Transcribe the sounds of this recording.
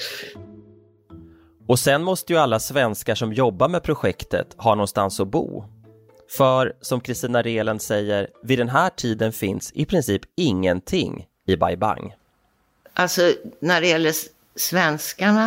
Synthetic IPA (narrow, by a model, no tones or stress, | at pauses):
ɔsɛnmɔst̪əjɵalːasvɛnskaʂɔmjɔbːaɾmɛpʰɾʊɧɛkt̪ə̰t̪hɑːnɔnst̪ansɔbṵː | fœɾsɔmkʰɾɪst̪iːnaɾeːlənd̪sɛjːəɾvɪd̪ɛnɦæːʈʰiːd̪ənfɪnsɪpʰɾɪnsiːpɪŋːənt̪ʰɪŋː | ɪba̰jba̰ŋ | ʔalsɔnæɖɛjɛlːə | svɛnskaɳa